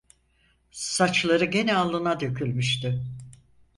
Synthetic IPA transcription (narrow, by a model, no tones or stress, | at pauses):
sat͡ʃlˠaɾɯɟe̞nɛalˠːɯnad̪ø̞cʰylʲmyʃt̪y